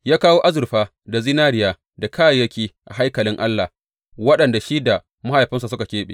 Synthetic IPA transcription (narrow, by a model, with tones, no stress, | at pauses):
jaː˦kaː˦woː˦ʔa˦zʊ˨ɾɸaː˦ | da˨zɪ˦naː˦ɾɪ˦jaː˨ | da˨kaː˦jjɐ˦kʲiː˦ʔa̰˨ɦa˦jkɐ˨lɪ˦ŋʔa˦lːa˨ | wɐ˦ɗɐ˨nda˨ʃi˦da˨ | ma˦ha˨jɸɪ˦ns̬a˨s̬ʊ˦ka˨kʲeː˦ɓḛː˨